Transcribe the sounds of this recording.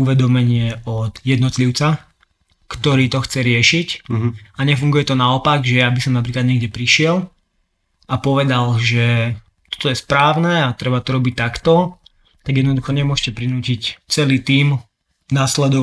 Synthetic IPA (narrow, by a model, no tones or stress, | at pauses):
uʋɛd̪ɔmɛɲɪɛɔd̪jɛd̪nɔt̪liʊt͡sa | kt̪ɔɾiːt̪ɔxt͡sɛɾɪɛʃicaɲɛfuŋɡujɛt̪ɔnaɔpaɡʒɛjabisɔmnap̬ɾiːklad̪ɲɛɡɟɛpɾiʃɪɛl | apɔʋɛd̪alʒɛ | t̪ɔ̥t̪ɔjɛspɾaːʊnɛat̪ɾɛbat̪ɔɾɔbic̚t̪ːakt̪ɔ | t̪aɡjɛd̪nɔd̪uxɔɲɛmʊɔʃcɛpɾinuːcict͡sɛliːt̪iːm | naːslɛd̪ɔ